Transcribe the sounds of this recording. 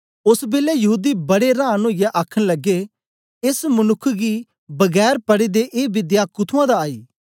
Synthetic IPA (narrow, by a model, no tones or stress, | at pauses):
ʊsbeːlejɐɦuːd̪ibɐɽeɾãːnõːjaʔaːkʰəɽ̃lɐɡe | ɪsmɐnʊkʰːɡi | bɐɡɛːɾpɐɽid̪eʔeːbɪd̪jakʊt̪ʰuãd̪aaːiː